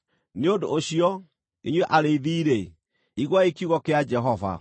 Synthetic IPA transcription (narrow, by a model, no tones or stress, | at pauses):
neodoːɕiɔ | iɲwɛʔaɾeiðiːɾe | iɣwaekiuɣɔkead͡ʒɛɦɔva̰